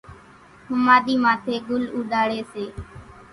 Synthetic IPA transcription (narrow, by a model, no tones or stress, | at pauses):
hʊmaːɗ̪iːmãːt̪ʰeːɡʊluːɗaːɽeːseː